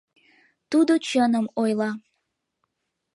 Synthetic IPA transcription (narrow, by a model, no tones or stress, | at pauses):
t̪ud̪ot͡ɕənəmojlɑ